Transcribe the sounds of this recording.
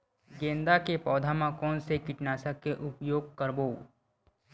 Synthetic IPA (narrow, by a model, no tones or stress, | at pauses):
ɡẽːnd̪akepɔːd̪ʱamãkɔːnsekɪʈnaːsəkːeʔʊpjoːɡ̚kəɾboː